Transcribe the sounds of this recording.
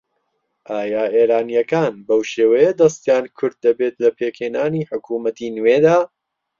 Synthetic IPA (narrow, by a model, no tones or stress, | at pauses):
ʔaːjaːʔeːɾaːnijɐkaːnbɐwʃeːwɐjed̪ɐst̪jaːnkʰʊɾd̪̚ːɐbet̪lɐpʰeːkheːnaːniːħʊkʰuːmɐt̪inweːd̪aː